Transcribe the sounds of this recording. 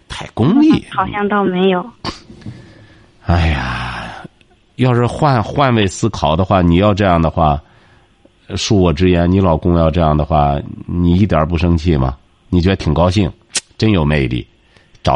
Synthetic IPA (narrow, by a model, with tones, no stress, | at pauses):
t̪ʰa˥˩ɪkʊ˥ŋi˥˩xɑ˨˩ʊɕjɑ˥˩ŋt̪o˥ʊme˧˥ɪjo˨˧˩ʊ | a˥˩ɪja˨˩ | jɑ˥˧ʂɻ̩˥˧xwa˥˧nxwa˥˧nwe˥˩ɪsɹ̩˥kʰɑ˨˩ʊd̪ə˦xwa˥˩ni˨˩jɑ˥˧ʊʈ͡ʂɤ˥˧jɑ˥˩ŋd̪ə˩xwa˥˩ | ʂu˥˩wɔ˨˩ʈ͡ʂɻ̩˥jɛ˧˥nni˧˥lɑ˨˩ʊkʊ˥ŋjɑ˥˧ʊʈ͡ʂɤ˥˧jɑ˥˩ŋd̪ə˩xwa˥˩ni˨˩i˥˩t̪ja˞˨˧˥p̬u˥˩ʂɤ˥ŋt͡ɕʰi˥˩mɐ̰˩ | ni˨˩t͡ɕjɛ˧˥d̪ə˧t̪ʰi˨˩ŋkɑ˥ʊɕi˥˩ŋ | ʈ͡ʂə˥njo˨˩ʊme˥˧ɪlḭ˥˩ | ʈ͡ʂɑ˨˩